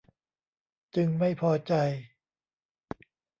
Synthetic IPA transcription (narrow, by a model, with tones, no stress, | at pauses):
t͡ɕɯ˧ŋma˥˩jpʰɔː˧t͡ɕa˧j